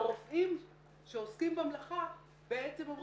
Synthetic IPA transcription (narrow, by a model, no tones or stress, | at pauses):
ʁofʔim | ʃe̞oskimbamlaχa | b̥eet͡semom